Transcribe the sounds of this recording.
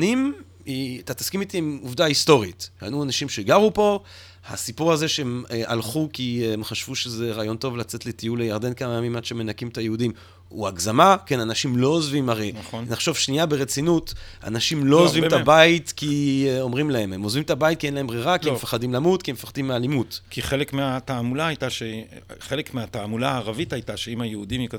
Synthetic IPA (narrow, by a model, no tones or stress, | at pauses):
nim | it̪at̪ḁskimit̪iemuvdaist̪o̞ʁita̰nuanaʃimʃeɡaʁupo̞ | ha̰sipuʁaze̞ʃeemʔalχukiemχaʃv̥uʃeze̞ʁaːjo̞nto̞vlat͡se̞tletijulejaʁde̞nkamajamimadʃeme̞nakimtajeudim | uaɡzamake̞nanaʃimlo̞ozvimaʁejnχnaχʃo̞vʃniabeʁet͡sinuta̰naʃimlo̞ozvimt̪abaitkio̞mʁimlahe̞memozvimt̪abait̚kienlaembʁiʁakiemefaχadimlamutkiemefaχad̪imːealimutkiχelekmeataːmulaajtaʃeχelekmeataːmulaːʁavitajtaʃeimajeudimik